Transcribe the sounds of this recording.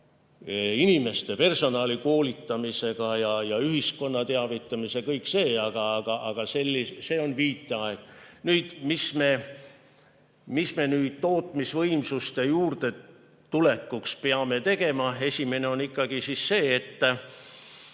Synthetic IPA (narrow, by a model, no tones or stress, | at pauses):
inime̞st̪e̞pe̞rso̞nɑːliko̞ːlit̪ːˑɑmise̞ɡ̥ɑjɑjɑyɦisko̞nːɑt̪eɑvit̪ˑːɑmise̞kɤjkse̞ːɑɡ̥ɑɑɡ̥ɑʔɑɡ̥ɑse̞lʲːisse̞ːo̞nviːt̪ːˑeɑeɡ̥̚nyːd̪̥misme̞ | misme̞nyːd̪̥̚t̪o̞ːt̪ːˑmisvɤjmsust̪ejuːrd̪̥e̞ | t̪ule̞kːukspeɑme̞t̪e̞ɡ̥e̞mɑe̞sʲime̞ne̞o̞nikˑːɑɡ̥isisːe̞ːt̪ː